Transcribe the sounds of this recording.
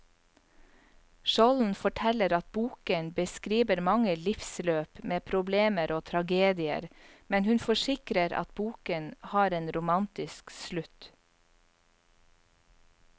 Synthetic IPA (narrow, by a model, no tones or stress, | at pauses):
ʃɔln̩fɔʈʰɛləɾɑt̪̚buːkənbəskɾiːʋəɾmɑŋəlɪfsløːpmeːpʰɾʊbleːməɾʔoːt̪ʰɾɑɡeːd̪ɪə̰ɾmɛnhʉnfɔʃɪkɾəɾɑ̰t̪̚buːkənhɑːɾeːnɾʊmɑnt̪ɪskslʉt̪